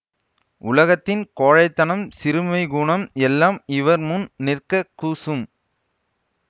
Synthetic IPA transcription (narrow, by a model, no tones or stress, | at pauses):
ʔʊlɐɣɐt̪ːɪnkoːɻɐɪt̪ːɐnɐmsɪɾɯmɐɪɡuːɳɐmɛlːaːmɪʋɐɾmʊnnɪrkɐkːuːsɯm